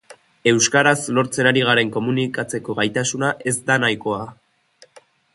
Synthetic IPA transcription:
e̞wskaɾaslo̞ɾt͡se̞naɾiɣ̞aɾe̞ŋko̞munikat͡se̞ko̞ɣajt̪asunaʔe̞zd̪anajko̞a

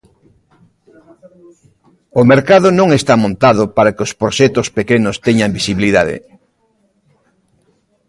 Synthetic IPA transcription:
omeɾkað̞onõŋest̪amõnt̪að̞opaɾakɪospɾoʃɛt̪ospekenost̪ɛɲambisiβiliðað̞ḛ

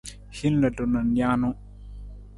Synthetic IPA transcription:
hinladɔnanjaːnɔ

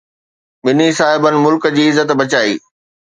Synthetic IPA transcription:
ɓɪnisaːɦɪbənɪ̆mʊlkə̆d͡ʑiːɪzːət̪bɐt͡ɕaːḭː

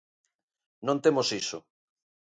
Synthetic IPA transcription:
nõnt̪emosiso̰

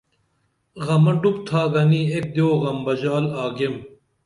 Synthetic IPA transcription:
ɣɐmɐɖup̚t̪ʰaːɡɐniek̚d̪joːɣɐmbɐd͡ʑaːlaːɡem

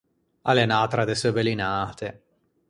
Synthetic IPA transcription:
alenaːt̪ɾad̪esəbelinaːt̪e

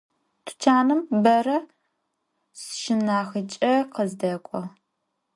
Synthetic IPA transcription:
tʷʰʊ̥t͡ʃʰaːnɨmbɐɾɐ | sʃɪmnaːxɨt͡ʃʼɐqəzdɐkʷʼɔ

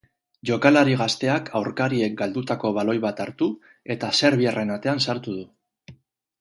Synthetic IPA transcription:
ʝo̞kalaɾiɣ̞ast̪e̞akʰawɾkaɾie̞k̚ɡald̪ut̪ako̞βalo̞jβat̪aɾt̪u | e̞t̪ase̞ɾβ̞iare̞nat̪e̞ansaɾt̪uð̞u

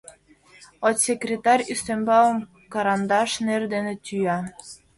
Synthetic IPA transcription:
ot̪sʲekrʲet̪ɑrʲyst̪embɑəm | kɑɾɑnd̪ɑʃnerd̪enĕt̪ʲyjɑ

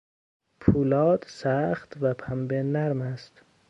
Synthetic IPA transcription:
pʰuːlɒːd̪sæxt̪væpʰæmbenæɾmæst̪

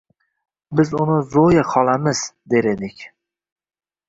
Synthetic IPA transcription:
bɪzʊnɪzojaqʰɒlˠamɪz̥d̪e̞ɾed̪ɪkʲ

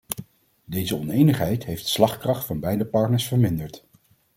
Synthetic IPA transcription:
dejzəɔnejnəχɦɛjtɦejftslɑχkrɑχtfɑnbɛjdəpɑɹtnəɹsfəɹmɪndəɹt

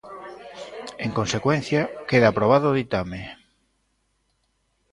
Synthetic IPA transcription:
eŋkonsekwen̟θjakeðapɾoβ̞aðoːðit̪ame

